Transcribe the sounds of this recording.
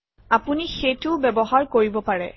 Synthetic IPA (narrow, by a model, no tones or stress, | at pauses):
apunixejtʊbɛbɔɦaɹkoɹibɔpaɹɛ̰